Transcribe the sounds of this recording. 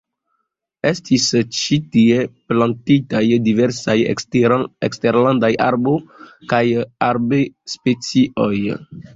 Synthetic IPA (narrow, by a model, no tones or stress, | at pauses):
e̞stist͡ʃitieplantitajdiveɾsaj | eksteɾlandaja̰ɾbokajaɾbespet͡siʔoj